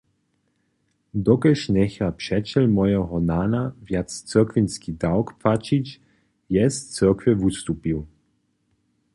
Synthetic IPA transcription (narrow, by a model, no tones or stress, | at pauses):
d̪ɔkɛʃnɛxapʂɛt͡ʃɛlmɔjɛɦɔnaːnavjat͡st͡səkvinskid̪awkpfat͡ʃit͡ɕ | jɛst͡səkvɛvust̪upiw